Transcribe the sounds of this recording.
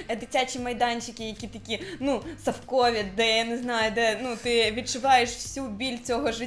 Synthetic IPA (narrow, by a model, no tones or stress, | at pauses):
ɛd̪ɪtʲat͡ʃʲimɐjd̪ɑnʲt͡ʃɪkʲɪjɐkʲit̪ɐkʲinusɐfkɔʋʲid̪ɛjaneznɑjʊd̪ɛnut̪ɪʋʲid̪̚t͡ʃʊʋɑjeʃwsʲubʲilʲt͡sʲɔɦɔʒɪ